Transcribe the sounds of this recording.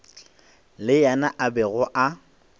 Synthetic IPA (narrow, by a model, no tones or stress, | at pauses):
lɪjanaʔabɛɣʊʔa